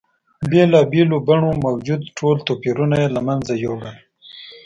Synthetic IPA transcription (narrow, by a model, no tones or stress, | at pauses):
belɑːbelobaɳomawd͡ʒud̪ʈʰolt̪oːpiɾunajelamanzajoɡan